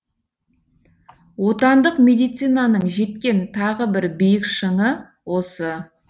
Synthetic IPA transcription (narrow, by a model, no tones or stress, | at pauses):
wo̞t̪ɑnd̪əqmʲe̞d̪ijt̪sɨjnɑnəɴʒe̞t̪kʲe̞nt̪ʰɑʁəbɪɾbijɪkʃəɴə | wo̞sə